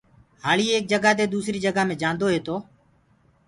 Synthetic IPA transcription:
ɦaːɭiːeːk̚d͡ʒəɡaːd̪eːd̪uːsɾiːd͡ʒəɡaːmẽːd͡ʒãːnd̪oːɦeːt̪oː

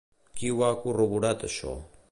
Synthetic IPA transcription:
kiwakuruβuɾat̪əʃo̰

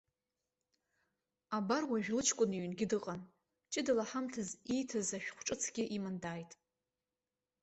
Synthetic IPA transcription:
abarwaʒᶣlɨt͡ʃʰkʷʼʊniɥnɡʲɪdɨqʼan | t͡ʃʼɪdalaħamtʰɨzijtʰɨzaʃᶣχʷʈ͡ʂʼɨt͡sʰɡʲɪʔimandaːjtʼ

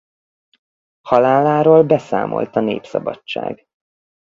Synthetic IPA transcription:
hɒlaːlaːɾoːlbɛsa̰ːmo̞̰lt̪ɒneːpsɒbɒt͡ʃt͡ʃːa̰ːɡ

